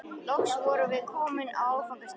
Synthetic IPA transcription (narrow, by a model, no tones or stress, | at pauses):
lɔksvɔɾʏvɪðkʰɔːmɪnawfʰaŋk̪as